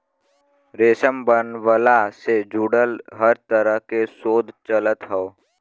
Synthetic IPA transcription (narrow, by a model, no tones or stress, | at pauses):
ɾeːsəmbənʋəlased͡ʒuːɽəlɦəɾt̪əɾəɦkesoːd̪ʱt͡ʃələt̪ɦɛo